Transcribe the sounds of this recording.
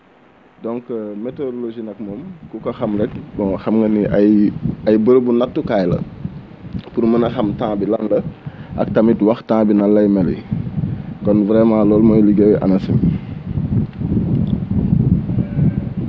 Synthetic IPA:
dɔ̃ŋkmetoɾoloʒinɐk̚momkukɐxɐmɾɛk̚bɔ̃xɐmŋɡɐniʔajɐjbəɾbunatːukajlɐ̰ | puɾmənɐxɐmtãːbilɐnlɐʔɐ̰k̚tɐmitwɐxtãːbinɐlːɐjmɛlɛ̰ | kɔnvɾɛmãːlɔːlmojliɡewʔɐ̰nɐsḭ

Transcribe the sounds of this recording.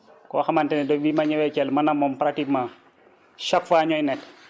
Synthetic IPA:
kɔːxɐmantɛnɛdɔbimɐɲɐwɛcɛlmɐnɐmːɔmpɾak̚tikmãː | ʃɔkfaːɲɔjnɛt

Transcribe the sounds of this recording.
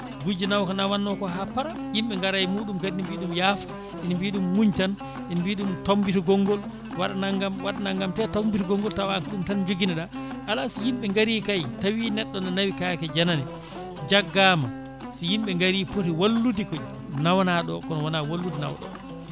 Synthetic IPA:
ɡud͡ʒinawkɔnawanːɔkɔɦapaɾa | jimɓɛŋɡaɾajmuːɗumkadinimbiɗumjaːfɔ̥ | ʔinmbiɗumːuɲtan | ʔinmbiːɗumtombituɡɔŋɡɔl | waɗanaŋɡamwaɗanaŋɡamtɛtɔmbituɡɔŋɡɔltawankɗumtand͡ʒoɡinaɗaʔalasijimɓɛŋɡaɾiːkajtawinɛɗːɔnanawikakɛd͡ʒananɛ | d͡ʒaɡːaːma | sijimɓɛŋɡaɾiːpotiwalːudikɔ | nawanaɗɔ̰kɔnɔwanawalːudina̰wɗɔ̰

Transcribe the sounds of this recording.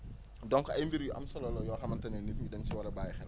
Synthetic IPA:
dɔŋkɔʔɐjmbiɾjuʔɐ̰msɐlɔlɔjɔːxɐmɐntɐnɛnifɲidɐnsiwɐlɐbaːjɛxɛl

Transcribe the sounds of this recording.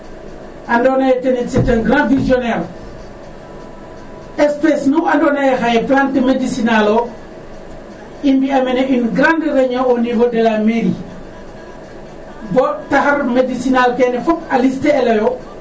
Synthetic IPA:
ʔandɔnajɛtɛnɛsɛtɛnɡɾãnfizjɔnɛɾ | ɛspesnuwandɔnɐjɛxajɛplantəmedisinalɔ | imbiɐmɛnɛʔynɡɾãndɾɛɲaɔnivodɛlameɾi | bɔtaxɐɾmedisinalkɛnɛfɔkɐlistɛɛlɐjɔ

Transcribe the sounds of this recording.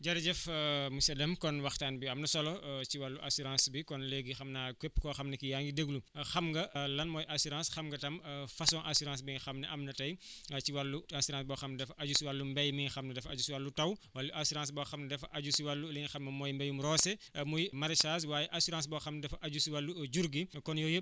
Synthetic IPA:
ɟɐɾɐɟɛfmusɛdɐmkɔnwɐxtaːnbiɐmnɐsɔlɔt͡ʃiwɐlːuʔɐsuɾãːsbikɔnleɡixɐmnaːkepːkɔxɐmnɐkijaːŋɡideɡluxɐmɡɐlɐnmɔːjʔɐsuɾãːsxɐmɡɐtɐmfɐsɔ̃ːnʔasuɾãns̬biŋxɐmnɐʔɐmnɐtɐjt͡ʃiwɐlːuasuɾãːsbɔxɐmnɐdɛfʔɐɟusiwalːumbɛjmiɲxɐmnɐdɛfɐɟusiwɐlːutɐwwɐlːuʔɐsuɾãːs̬bɔxɐmnɐdɛfʔɐɟusiwɐlːuliɲxɐmnɐmɔːjmbɛjumɾɔːsɛmujmɐɾisaːswaːjɛʔɐsuɾãːs̬bɔxɐmnɐdɛfɐʔɐɟusiwɐlːuɟuɾɡikɔnjɔjəp̚

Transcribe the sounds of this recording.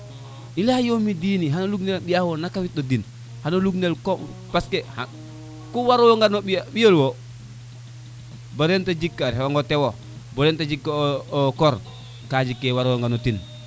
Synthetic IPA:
ilajomidiniɦanoluɡnelɓijawonakawit̚odin | hanoluɡnelkoŋ | paskeha̰ | kuwaɾowoŋɡanoɓibijolwo | boɾentad͡ʒikːaɾewaŋɡotewo | boɾentad͡ʒikːakɔɾ | kad͡ʒikːewaɾowoŋɡanotin

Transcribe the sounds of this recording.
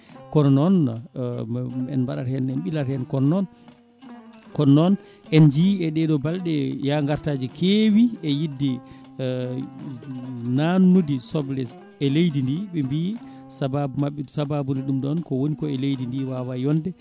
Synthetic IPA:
kɔnɔnɔn | ɛ̰nmbaɗa̰thɛnɛnɓilathɛnkɔnnɔn | kɔnːɔn | ʔɛnd͡ʒiɛɗɛɗɔbalɗɛjaŋɡaɾtaːd͡ʒikʰewiɛjidːi | nanːudisɔblɛs | ɛlejdindiɓɛmbi | sababumaɓːɛsababundiɗumɗɔnkɔwonikɔɛlejdindiwawajɔndɛ

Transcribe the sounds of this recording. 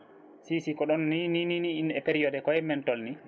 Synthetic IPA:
sisikɔɗɔnːinininiːnɗɛpeɾijɔdɛkɔjɛmɛntɔlni

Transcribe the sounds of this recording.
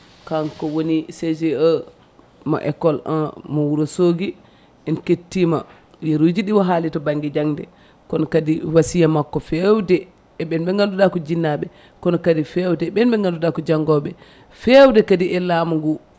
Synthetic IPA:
kankɔwonised͡ʒɛɔ | ma̰ʔɛ̰kːɔla̰nmɔwuɾɔsoːɡi | ɛnketːima̰ | jeɾud͡ʒiɗiwɔɦalitɔbaŋɡid͡ʒaŋdɛ̰ | kɔnɔkadiwasijamakːɔfɛwdɛː | ɓɛnbɛŋɡanduɗakɔd͡ʒinːaɓɛ | kɔnɔkadifɛwdɛɓɛnbɛŋɡandudakɔd͡ʒaŋɡɔɓɛ | fɛwdɛkadiɛlaːmuŋɡu

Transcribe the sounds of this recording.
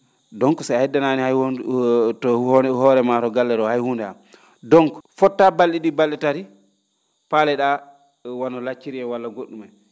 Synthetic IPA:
dɔŋkɔsahɛdːanaːnihaj | tɔhɔːɾɛmatɔɡalːɛɾɔhajhuːndɛa̰m | dɔŋkɔ̥fɔtːabalːiɗibalːɛtaɾi | palɛɗa | wanɔlat͡ʃːiɾiɛwalːaɡoɗːumaj

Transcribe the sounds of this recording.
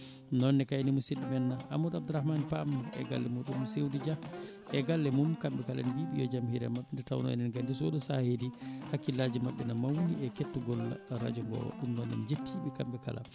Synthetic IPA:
nɔnːɛkajnimusiɗimɛnːaa̰mudab̚d̪uɾahmanpamːuɛ̰ɡa̰lːɛmuɗumsewdid͡ʒa | ʔɛɡalːɛmumkambɛkala̰nbiɓijɔd͡ʒamhiɾɛ̰maɓːɛndɛta̰wnɔ̰ɛ̰nɛnɡandis̬ɔɗusahedihakːilad͡ʒimaɓːɛnamawniɛketːuɡɔlːa̰ɾa̰d͡ʒuŋɡɔ̰wa̰ɗumnɔnːɛ̰nd͡ʒetʰːiɓɛkambɛka̰la̰

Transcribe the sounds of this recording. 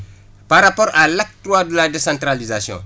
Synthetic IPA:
paɾapɔɾalak̚tɾwaduladesãntɾalizasjɔ̰̃

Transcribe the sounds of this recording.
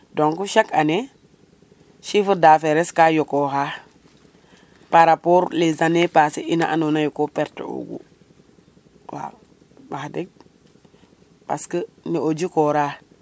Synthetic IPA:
doŋkuʃakane | ʃifəɾdafeɾeskajokoːɦa | paɾapoːɾlezanepasiʔinaʔa̰nonajokopɛɾtə̰o̰ɡṵ | wa̰ | bahdek̚ | paskəniod͡ʒikoːɾa

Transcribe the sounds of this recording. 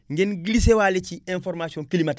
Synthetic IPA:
ŋɡenɡilisewaleciẽnfoɾmasiõŋkilimat

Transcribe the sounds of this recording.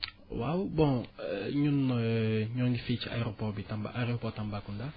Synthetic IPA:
wawbɔ̃ɲunɲɔ̃ŋɡifit͡ʃa̰jʁopɔʁbitãmba̰ʔaʁeopɔtãmbakũnda

